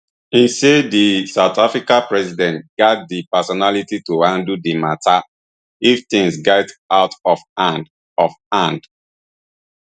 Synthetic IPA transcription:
ĩnsedisaʊtafɹikapɹɛsidɛ̃ntɡat̚dipɛsɔnalitituhãndudimata | ift̪ĩŋsɡataʊtɔfnd | ɔf | ãnd

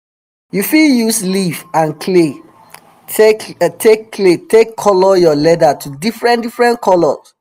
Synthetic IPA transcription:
jufiljuslifãnkʰle | tʰekːletʰekʰːɔlɔjɔlɛdatʰudifɹɛ̃ndifɹɛ̃nkʰɔlɔs

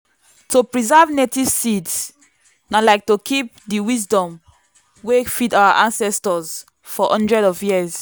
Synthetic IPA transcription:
topɹizɛvnetiv̥sids | nalaɪk̚tokʰip̚diwizdɔ̃m | wefidawaʔãnsɛstɔz | fɔʔɔ̃ndɹɛdɔvjiz

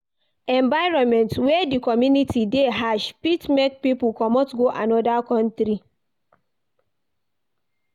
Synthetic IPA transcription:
ɛ̃mbaɪɹɔ̃nmɛ̃ntwɛdikɔmjunitideɦaʃpitmɛ̃t̚pipukɔmɔtɡoʔa̰nɔdakɔ̃ntɾi

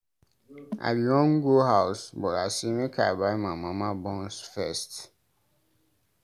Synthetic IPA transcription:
a̰ɪbiwɔ̃nɡoɦaʊsbɔtasimikʰa̰baɪmamamabɔ̃nsfɛst

